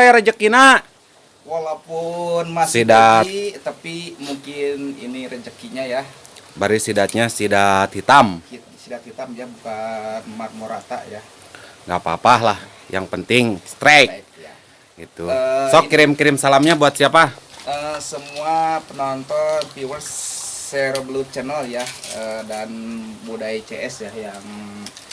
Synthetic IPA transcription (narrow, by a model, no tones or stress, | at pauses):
ajaɾəd͡ʒəkːina | walawpunmasidat̪apimuŋkɪnḭniɾəd͡ʒəkiɲajabaɾisidat̪̚ɲasidat̪hit̪am | sidat̪hit̪amjabukanmat̪̚moɾat̪a̰ʔja | ŋɡapa̰paɦlah | ja̰ŋpənt̪ɪŋst̪ɾa | ɡit̪usɔkiɾɪmkiɾɪmsalamɲabuat̪̚siapaəsəmuapənɔnt̪ɔnpiwəlseɾoblut͡ʃənəljaədanbudait͡ʃeɛsjajaŋ